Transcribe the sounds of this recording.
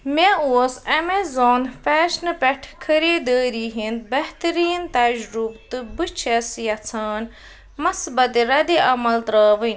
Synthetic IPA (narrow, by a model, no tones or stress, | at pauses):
mʲeoːsɐmezoːnfɛːʃnɨpʲɛʈʰkʰɐɾiːd̪əːɾiːɦind̪̚bɐɦt̪ɐɾiːnt̪ɐd͡ʒɾubt̪ɨbɨt͡ʃʰɐsjɐt͡sʰaːn | mɐsbɐt̪iɾɐd̪iʔɐmɐlt̪ɾəːʋɨn